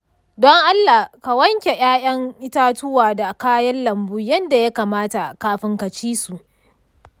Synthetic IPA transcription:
dɔ˦ŋʔa˦lːa˨ka˨wɐ˦ŋkʲe˨ʔʲj̰aː˦jɐ˦ŋʔɪ˦taː˦tʊ˦waː˨da˨kaː˦jɐ˦nlɐ˨mbu˦jɐ˦nda˨ja˦kaː˨maː˦ta˨kaː˦ɸɪ˦ŋka˨t͡ʃiː˦su˨ʔ

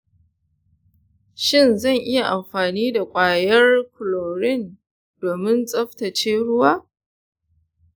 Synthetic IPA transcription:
ʃɪ˦˨nzɐ˦˨ŋʔɪ˦ja˨ʔa˨mɸaː˨niː˦da˨kʷʼaː˨jɐ˦rkʊ˨loː˨ɾɪ˦˨n | doː˨mɪ˦nsʼɐ˦ɸtɐ˨t͡ʃeː˦ɽʊ˦waː˦

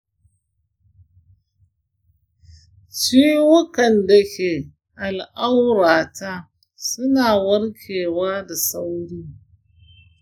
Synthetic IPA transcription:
t͡ʃi˦wʊ˦kɐ˨nda˨kʲeː˨ | ʔa˨lʔa˦wɽaː˨ta˦ | sʊ˦naː˨wɐ˦ɽkʲʰeː˨waː˦da˨sa˦wɽiː˦

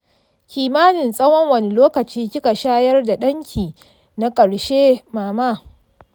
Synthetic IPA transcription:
kʲiː˨maː˦nɪ˨nsʼɐ˦wɔ˦ŋwɐ˨ni˦loː˦kɐ˨t͡ʃiː˦kʲɪ˦ka˨ʃaː˦jɐ˦rda˨ɗɐ˦ŋkʲʰiː˨ | na˦kʼɐ˨ɽʃeː˦maː˨maː˦

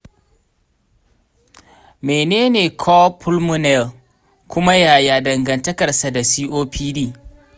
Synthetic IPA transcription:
meː˨neː˦neː˨kʰɔ˦pʰʊ˦lmʊ˦nɛ˨l | kʷʊ˦ma˦jaː˨jaː˨dɐ˨ŋɡɐ˨ntɐ˦kɐ˨rsa˨da˨siː˦ʔoː˦pʰiː˦diː˦

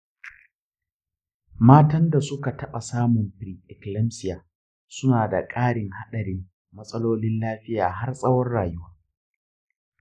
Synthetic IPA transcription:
maː˦tɐ˦nda˨sʊ˦ka˨tɐ˦ɓa˨saː˦mʊ˨mɸɾiː˨ʔɛ˨klɐ˦msɪ˦jaː˨ | sʊ˦naː˨da̰˨kʼaː˦ɽɪ˨ŋha˦ɗɐ˨ɽɪ˦mː | ɐ˦sʼɐ˦loː˦lɪ˦nlaː˦ɸɪ˦jaː˨ɦa˦rsʼɐ˦wɔ˦rɽaː˨jʊ˦waː˦

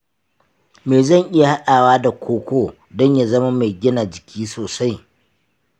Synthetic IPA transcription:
meː˨zɐ˦˨ŋʔɪ˦ja˨ha˦ɗaː˨waː˦da˨kʷʰoː˦kʷoː˦˨ | dɔ˦ɲja˨zɐ˦ma˦ma˨jɡʲɪ˦naː˨d͡ʒɪ˨kʲʰiː˦soː˨sa˦j

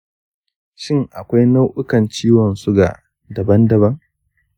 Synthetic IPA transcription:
ʃɪ˦ŋʔa˨kʷa˦jna˦wʔʊ˦kɐ˨nt͡ʃiː˦wɐ˨nsu˦ɡa̰˨ | dɐ˨bɐ˦ndɐ˨bɐ˦ŋ

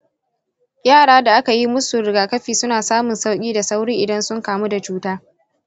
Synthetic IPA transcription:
jaː˦˨ɽaː˦da˨ʔa˦ka˨ji˦mʊ˦sʊ˨ɾɪ˨ɡaː˨kɐ˦ɸiː˨sʊ˦naː˨saː˦mʊ˨nsa˦wkʲʼiː˦da˨sa˦wɽiː˦ʔɪ˨dɐ˦nsʊ˦ŋkaː˨mu˦da˨t͡ʃuː˦taː˦

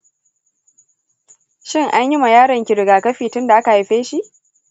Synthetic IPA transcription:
ʃɪ˦˨ŋʔa˦ɲji˦ma˨jaː˦ɽɐ˨ŋkʲɪ˨ɽɪ˨ɡaː˨kɐ˦ɸiː˨tʊ˦nda˨ʔa˦ka˨a˨ɸeː˦ʃi˦ʔ

